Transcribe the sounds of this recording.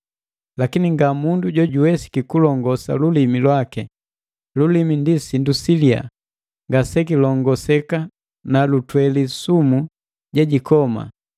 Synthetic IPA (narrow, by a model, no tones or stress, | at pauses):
lakiniŋɡamunduɟɔɟuwɛsi̥kikulɔŋɡɔsa̰lulimilwakɛ | lulimindisindusilia̰ | ŋɡasɛk̬ilɔŋɡɔsɛka | nalutwɛlisumu | ɟɛɟikɔma̰